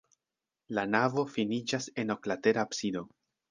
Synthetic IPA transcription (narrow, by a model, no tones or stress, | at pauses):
lanavo̞finid͡ʒase̞no̞klate̞ɾaːpsido̞